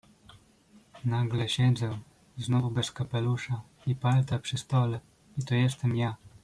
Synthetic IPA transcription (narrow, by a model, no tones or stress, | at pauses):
naɡlɛɕɛd̪zɛ | znɔvubɛskapɛluʂa | ipalt̪apʂɘst̪ɔlɛ | it̪ɔjɛst̪ɛmja